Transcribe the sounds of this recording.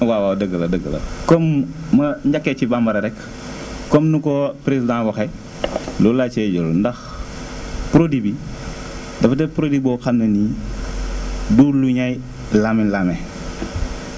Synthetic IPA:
wawawdəɡəlɐdəɡə̰lɐ̰kɔmːɐɲd͡ʒakːɛt͡ʃibambɐɾɐɾɛkː | ɔmnukɔpɾezidãwɔxɛ | lulat͡ʃɛɟolndɐx | pɾodibi | dɐfɐtɛpɾodibɔxannɐni | duːluɲaj | laminlamɛ

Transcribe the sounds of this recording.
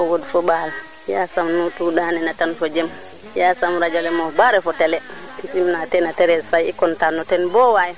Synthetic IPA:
ɔwodifɔbal | jasamnutuɗanɛnatanfɔd͡ʒɛm | jasamɾad͡ʒalɛmɔbaɾɛfɔtɛlɛ | isimnatɛnatɛɾɛsajɛkɔntanːɔtɛnbɔwaja

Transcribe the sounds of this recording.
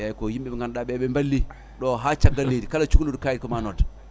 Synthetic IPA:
jajikojimɓɛŋɡanɗaɓɛɓɛmbalːi | ɗoɦat͡ʃaɡːalːedikalat͡ʃuklodkajidkomanod

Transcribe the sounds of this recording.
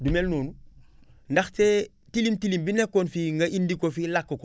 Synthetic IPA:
dumelnoːnu | ndaxte | tilimtilimbinekːoːnfiŋɡɐʔindikofilakːoko

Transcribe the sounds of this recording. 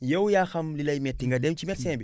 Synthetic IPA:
jewujaxamlilaimetĩŋɡadẽmt͡ʃimɛsẽbi

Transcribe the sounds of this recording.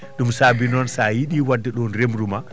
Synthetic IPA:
ɗumsaːbinɔnsajiɗiwadːɛɗɔnɾemɾuma

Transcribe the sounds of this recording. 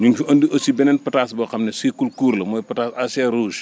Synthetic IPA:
ɲuɲfiʔɐndiʔɐsibɛnɛnpɐtaːsbɐxɐmnɛskulkuːɾlɐmɔːjpɐtaːsasɛɾuːʃ

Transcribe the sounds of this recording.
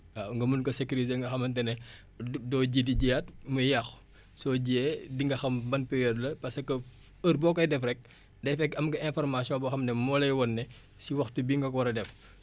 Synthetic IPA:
aŋɡɐmunkɐsekyɾizeŋɡɐxɐmɐntɛnɛ | dɔːɟidiɟijat̚mujɐx | sɔɟeːdiŋɡɐxɐmbɐnpɛɾjɔdlɐpɐsɐkːɐ | ərbɔːkːɔjdɛfrɛk̚ | dɛfɛkɐmɡɐʔɛ̃nfɔrmasijɔ̃bɔxɐmnɛmɔlɐjwɔnːɛ | siwɐxtubiŋɡɐkwɐɾɐdɛf

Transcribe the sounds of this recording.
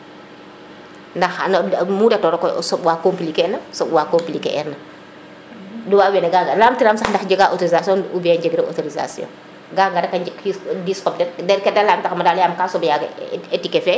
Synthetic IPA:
ndɐxnmuːdɛtɔɾɔkɔsɔbwaːkomplikɛnɐsɔpwakompilikɛ̰ʔɛɾnɐ | duwaːwɛnɛɡaːŋɡɐlaːmtiɾamsɐxndɐxɟəɡaʔɔtoɾizasjɔnubɛɲd͡ʒəɡɾɛʔɔ̰toɾiza̰sjɔ̰̃ː | ɡaːŋɡɐdɐkɐkidiːskɔb̚dɛɾdɛɾkɛdalaːmtɐxmɐdaːljaːmkaːsɔbjaːɡɐ̰ɛtikɛfɛ

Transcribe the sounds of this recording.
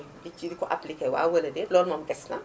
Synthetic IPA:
bit͡ʃidikɔʔaplikɛwa̰ːwɐlɐdɛlɔːlmɐmɡɛsnɐ

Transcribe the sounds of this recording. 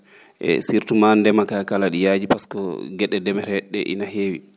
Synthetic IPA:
ʔɛ̰siɾtumandɛmakakalaɗijaːd͡ʒipaskɔɡɛɗɛdɛmɛɾɛɗːɛ̰ʔḭnaɦeːwḭ

